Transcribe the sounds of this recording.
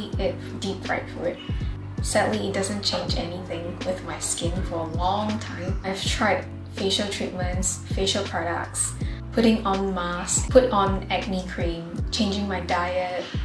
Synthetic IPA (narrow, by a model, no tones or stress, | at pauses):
ɪt̚ | d̥ipɹa̰ɪtfɔ̰ɹɪt̚ | sadliɪt̚d̥azə̃nt͡ʃʰẽɪ̃nd͡ʒɛniθɪ̃ŋwɪðmaɪskɪ̃nfɔ˞əlɔ̃ŋtʰãɪ̃mʔaɪv̥tʰɹ̥aɪd̚ | feʃəltʰɹit̚mə̃ntsfeʃəl̩ˠpʰɹ̥ɔɾə̰k̚ts | pʰʊɾɪ̃ŋɔ̃nmaskpʰʊɾn̩ɛɡnikʰɹ̥ĩmt͡ʃʰẽɪ̃nd͡ʒɪ̃ŋmaɪdaɪət̚